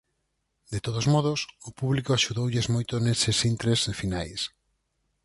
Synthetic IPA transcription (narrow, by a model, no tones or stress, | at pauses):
d̪et̪oðozmɔð̞osopuβlikoaʃuðowʎɪzmojt̪onesesint̪ɾesfinajs